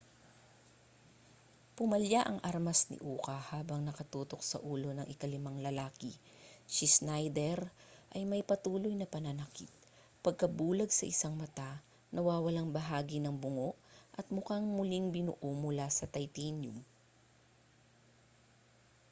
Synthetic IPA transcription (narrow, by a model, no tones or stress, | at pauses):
pʊmɐljaʔɐŋʔaɾmɐsnɪ̰ʔuːkɐhaːbɐŋnɐkɐt̪uːt̪o̞k̚sɐ̰ʔuːlo̞nɐŋʔɪkɐlɪmaŋlɐlaːkɪ | ʃisnajd̪ɛɾʔɐjmɐjpɐt̪uːlojnɐpɐnɐnɐkit̪̚ | pɐɡ̚kɐbuːlɐɡsɐ̰ʔɪsaŋmɐt̪a | nɐwaːwɐlaŋbɐɦaːɡinɐŋbʊŋoʔʔɐt̪̚mʊkaŋmʊliŋbɪnʊʔomʊlasɐt̪ɐjt̪injʊm